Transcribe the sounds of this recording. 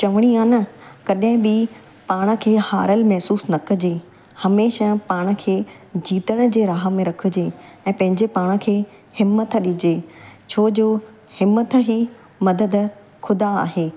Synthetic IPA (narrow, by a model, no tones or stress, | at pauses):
t͡ɕɐʋəɽ̃iãːnɐkɐɗɦɪ̃bɪ | paːɽ̃ə̆kʰeːhaːɾəlmɛɦsuːsnɐkʰə̆d͡ʑeː | hɐmeːʃapaːɽ̃ə̆kʰeː | d͡ʑiːt̪əɽ̃ə̆d͡ʑeːɾaːɦə̆mẽɾɐkʰʊ̆d͡ʑeːɛ̃ːpɐ̃ɦɪ̃ɲd͡ʑepaːɽ̃ə̆kʰeː | hɪmət̪ɗɪd͡ʑeːt͡ɕʰoːd͡ʑoː | hɪmət̪ɦiː | mɐd̪əd̪ | xʰʊd̪aa̰ːɦeː